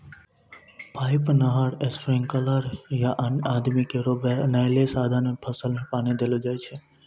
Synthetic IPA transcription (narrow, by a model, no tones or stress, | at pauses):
pʰaːɪpnəɦaɾesfɾẽŋkəlaːɾjaʔaːd̪mikeɾobnəjlesaːd̪ʱanmẽpʰəsəlmẽpaːnid̪eːlod͡ʒaːet͡ʃʰe